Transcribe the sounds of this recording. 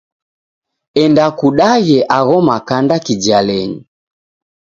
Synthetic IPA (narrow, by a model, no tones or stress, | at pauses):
ɛndakuɗaɣɛʔaɣɔmakandakid͡ʒialɛɲi